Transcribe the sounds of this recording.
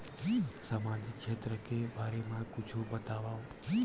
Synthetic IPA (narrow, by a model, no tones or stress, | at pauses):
səmãd̪ikʃʰet̪ɾəkebaɾemãkʊt͡ʃʰubət̪aʋã